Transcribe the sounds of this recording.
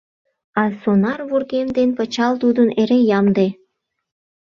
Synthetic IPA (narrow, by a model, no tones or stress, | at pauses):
ɑsonɑrβurɣemd̪enpət͡ɕɑlt̪ud̪əneɾejɑmd̪e